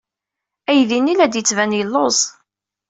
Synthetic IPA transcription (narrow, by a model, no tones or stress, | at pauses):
æjðinilæd̪jət͡sːvænjəlːozˤ